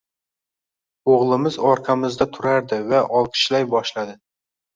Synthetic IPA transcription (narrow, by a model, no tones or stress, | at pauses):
oʁlˠɪmɪzɒɾqʰɑmɪzd̪at̪ʰʊɾaɾd̪ɪvaʔɒlˠkʰɪ̥ʃlajbɒʃlad̪ɪ